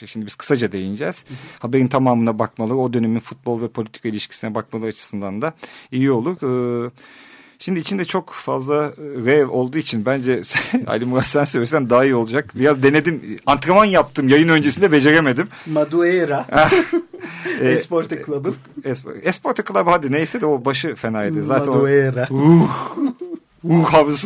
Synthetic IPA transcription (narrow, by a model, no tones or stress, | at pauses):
ʃimd̪ibiz̥kʰɯ̥sad͡ʒad̪e̞jinid͡ʒɛz̥habe̞ɾint̪ʰamaːmɯnabak̚malˠɯɾɯo̞d̪ø̞neminfut̪̚blˠvɛpʰolʲit̪ʰi̥kʰailʲiʃcʰi̥sinɛbak̚malˠɯɾɯat͡ʃʰɯ̥sɯnd̪and̪aijio̞lˠuɾɯː | ʃimd̪iːt͡ʃʰind̪ɛt͡ʃʰo̞kfazlˠaɾɛvo̞lˠd̪uːit͡ʃʰinbænd͡ʒɛsa̰lʲimuɾasænsøjʲɛsænd̪aːijo̞lˠud͡ʒak̚biɾazd̪e̞ne̞d̪imant̪ɾamanjap̚t̪ʰɯmjajɯnø̞nd͡ʒesind̪ɛbe̞d͡ʒe̞ɾeme̞d̪immad̪ueɾahɛ | ɛspoɾt̪aklˠabɯ | ɛspo̰ɛspʰo̞ɾt̪ʰaklˠabɯhad̪inejsɛd̪ɛo̞baʃɯfe̞naːed̪ɛzaːt̪ʰæneɾauh | ɾuhavs